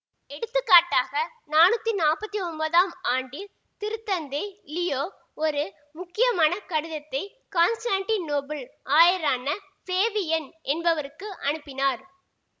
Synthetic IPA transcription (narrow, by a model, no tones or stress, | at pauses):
ɛɽɯt̪ːɯkːaːʈːaːɣɐ | naːnɯt̪ːinaːpɐt̪ːiɔmbɐðaːmaːɳɖi | t̪ɪɾɯt̪ːɐnd̪ɐɪlɪjoː | ɔɾɯ | mʊkːɪjɐmaːnɐkɐɽɯðɐt̪ːɐɪ | kaːnsʈaːɳʈinoːbɐlʔaːjɪɾaːnɐ | peːʋɪjɛnʔɛnbɐʋɐɾɯkːɯʔɐɳɯpːɪnaːɾ